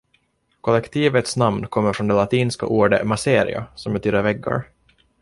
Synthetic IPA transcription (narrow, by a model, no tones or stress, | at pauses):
kʰɔlːɛkt̪ʰiːvət̪snamnkʰɔmːəɾfɾɔnd̪ɛlat̪ʰiːnska̰ʔuːɖəmaseːɾɪ̰a̰sɔmbɛt̪ʰyːd̪əɾvɛɡːa̰ɾ